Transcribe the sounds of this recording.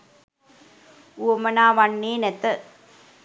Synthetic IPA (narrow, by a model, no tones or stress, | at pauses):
uomɐnaːʋɐnːeːnɛt̪ə